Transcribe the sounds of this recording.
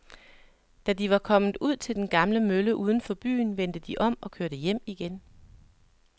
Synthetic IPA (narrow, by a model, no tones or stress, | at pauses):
d̥æd̥iʋɑ̈kʰɒ̽m̰n̩ˠuð̞̰ˠt͡sʰe̝ld̥enɡ̥ɑ̈mləmøləʔuːð̞ˠən̩fɒ̽b̥y̰ːn̩ʋen̰d̥əd̥iʔɒ̽m̰ɒ̽kʰøɐɾ̥əjem̰iɡ̥en